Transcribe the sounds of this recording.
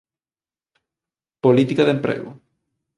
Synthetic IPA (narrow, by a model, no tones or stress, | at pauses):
polit̪ikaðempɾḛɣʊ̰